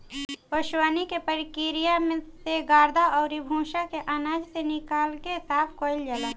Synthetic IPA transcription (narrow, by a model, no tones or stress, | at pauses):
oʃwaːnikepəɾɪkɪɾijamẽseɡaːɾd̪ʱaʔɔːɾibʱũːʃakeʔanaːd͡ʒsenɪkaːlkesaːpʰkoːɪld͡ʒala